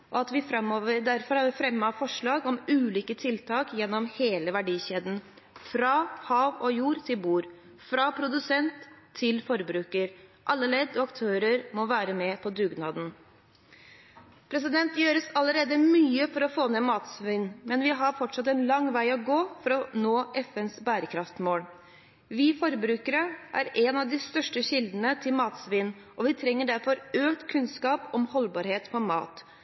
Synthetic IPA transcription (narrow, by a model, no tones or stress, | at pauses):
ʔɔɑt̪ʋɪfɾɑmːoːʋəɾd̪æɾfɔɾhɑɾʋɪfɾɛmːəɑfɔʂɭɑːɡɔmʉːliːkət̪ʰɪlt̪ʰɑːkjɛnːɔmheːləʋæɖiːɕeːd̪n̩ | fɾɑːhɑːʋɔjuːɾt̪ʰɪlbuːɾ | fɾɑpʰɾʊd̪ʉsɛnt̪ʰːɪlfɔɾbɾʉːkəɾʔɑlːəleːd̪ɔɑkt̪ʰøːɾəɾmɔʋæːɾəmɛpʰɔd̪ʉːɡnɑːd̪n̩ | pʰɾɛs̬ɪd̪ɛnt̪jøːɾəsɑləɾeːd̪əmyːəfɔɾɔfoːnɛmɑːt̪sʋɪnːmɛnʋɪɦɑɾfɔʈʂɑt̪ɛnlɑŋʋæɪɔɡoːfɔɾɔnoːʔɛfɛnsbæːɾəkʰɾɑft̪moːɽ | ʋɪːfɔɾəbɾʉːkəɾəʔæ̰ːɾɛnɑʋd̪ɪst̪œʂʈəɕɪld̪ənət̪ʰɪlmɑːt̪sʋɪn | ʔɔʋɪt̪ʰɾɛŋːəɖæɾfɔɾøːkt̪kʰʉnskɑːpɔmhɔlbɑːɾheːt̪pɔɾmɑ̰ːt̪